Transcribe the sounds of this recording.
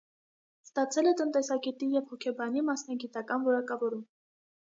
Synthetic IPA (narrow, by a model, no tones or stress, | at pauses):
st̪ɑt͡sʰɛlɛt̪ənt̪ɛsɑɡɛt̪ijɛvhɔkʰɛbɑnimɑsnɑɡit̪ɑkɑnvɔɾɑkɑvɔɾum